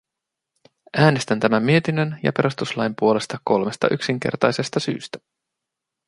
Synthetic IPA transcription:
æːne̞st̪ænt̪æmæmːie̞t̪inønjɑ̰pe̞ɾust̪uslɑjmpuo̞le̞st̪ɑko̞lme̞st̪ɑ̰ʔyksiŋk̟e̞̰rt̪ɑjse̞st̪ɑsy̰ːst̪æ̥

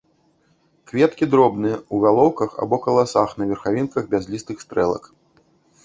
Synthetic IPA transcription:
kvʲɛt̪kʲid̪ɾɔbnɨɐuɣalˠɔwkɐxa̰bɔkɐlˠasaxnɐvʲɛrxavʲinkɐɣbʲazʲlʲist̪ɨxst̪ɾɛlˠɐ̰k

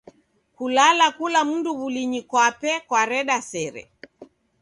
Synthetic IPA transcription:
kulalakulam̩nduβuliɲikwapɛkwaɾɛɗasɛɾɛ̰

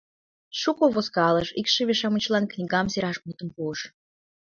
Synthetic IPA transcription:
ʃukoβoskɑləʃikʃĕβeʃɑmət͡ɕlɑnknʲiɣɑmseɾɑʃmut̪ə̆mpuəʃ

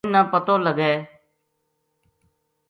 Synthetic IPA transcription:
nãːpət̪oːləɡeː

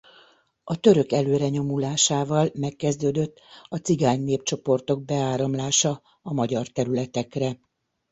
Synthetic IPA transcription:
ɒt̪ø̞ɾø̞kɛløːɾɛɲo̞mulaːʃaːvɒlmɛkːɛzd̪øːd̪øt̪ːɒt̪siɡaːɲneːpt͡ʃo̞po̞rt̪o̞ɡ̚bɛaːɾɒmlaːʃɒ | ɒmɒɟɒrt̪ɛɾylɛt̪ɛkrɛ

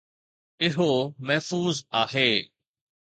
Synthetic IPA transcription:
ɪɦomɛɦfuːzaːɦeː

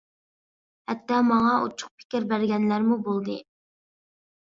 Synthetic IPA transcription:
hɛt̪ːɑmɑŋɑṵt͡ʃʰʊ̥q̚pʰɪ̥kʲiɾbæɾɡʲɛnlæɾmubolˠd̪ɨ̰

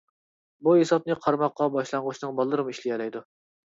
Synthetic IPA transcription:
buɦesɑp̚nɨqʰɑɾmɑqːɑbɑʃlˠɑɴʁʊʃnɨŋbɑlˠːɨɾɨmɨiʃlijɛlɛjd̪u

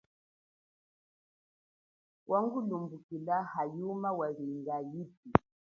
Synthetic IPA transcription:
wʔaŋɡulumbukilahajumawaβiŋɡaip̚i

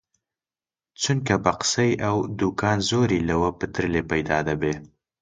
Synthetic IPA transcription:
t͡suŋkabaqsəjawd̪ukɑnzoɾilawəpət̪ɾəlepajd̪ɑd̪abe

